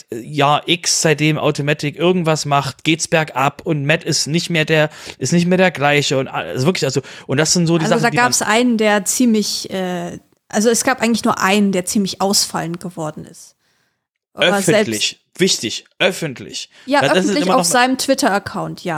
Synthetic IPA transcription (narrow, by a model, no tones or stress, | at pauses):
ɛjaːʔɪksz̥aɪt̚d̥eːmʔa̰ʊtomaːtʰɪkʔɪɐɡŋ̩tv̥asmaχtɡ̥eːtsb̥ɛɐkʔapʊntmɛtɪstnɪçtmeːɐdeːɐʔɪstnɪçtmeːɐdeːɐɡlaɪçəʊntʔa̰ʔa̰lzovɪɐklɪçalzoʔʊntd̥asz̥ɪntz̥oːdialzodaːɡaːɛsʔa̰ɪnəndeːɐt͡siːmlɪçʔɛː | ʔalzoɛsɡ̥aːpʔaɪɡŋ̩lɪçnuːɐʔaɪnəndeːɐt͡siːmlɪçʔaʊsfa̰lən̩t̚ɡ̥əvɔɐdn̩ɪ̰st | ʔa̰œɐfɛlɪ | vɪçtɪçʔœfn̩tʰlɪ̰ç | jaːʔaœdasnɪslɪɪmɐaʊfzaɪnəmtv̥ɪtɐɐɐkʰaʊntjaː